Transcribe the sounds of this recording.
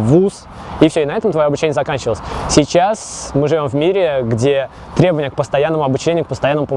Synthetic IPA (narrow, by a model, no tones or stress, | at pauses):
vus | ifsʲoɪnɐɛt̪əmt̪vɐjoɐbʊt͡ɕːenʲəzɐkanʲt͡ɕɪvəlˠəsʲsʲɪt͡ɕasmɨʐɨvʲo̞mvmʲiɾʲɪɡdʲe̞ | t̪ɾʲebəvənʲjək̚pəst̪ɐjanːəmʊɐbʊt͡ɕːenʲɪjʊk̚pəst̪ɐjanːəmʊpə